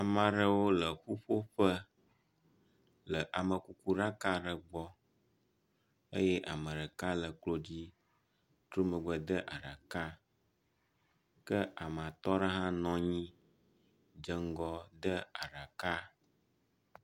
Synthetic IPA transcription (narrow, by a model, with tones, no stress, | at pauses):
a˨mə̃˨ɖə˦wo˦lə˨xu˦ɸo˦ɸə˦ | lə˨ʔa˨mə˨ku˦ku˦ɖa˦ka˦ɖə˨ɡ͡bɔ˦ | ə˦jɛ˦ʔa̰˨mə̃˨ɾə˨ka˦lə˨k͡plo˦d͡ʑi˦ | t̪ɾo˦mə̃˨ɡ͡bə˨d̪ə˦ʔa˨ɖa˨ka˦ | kə˦ʔa˨m˨a˨t̪ɔ˦ɖə˦ɦã˦nɔ̃˦ɲĩ˦ | d͡ʒə˦ŋ˦ɡɔ˦d̪ə˦a˨ɖa˨ka˦